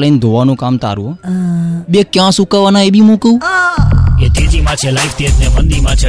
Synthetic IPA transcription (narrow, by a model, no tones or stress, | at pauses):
ləind̪ʱoʋanũkamt̪a̰ɾṵ̃ɦ | bekjãsukaʋanaebʱimũkəũ | et̪ed͡ʒimãt͡ʃʰelaift̪et̪neʋənd̪imãt͡ʃʰe